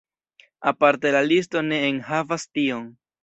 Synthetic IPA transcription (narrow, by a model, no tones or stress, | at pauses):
apaɾte̞lalis̬to̞ne̞ːnhavastio̞n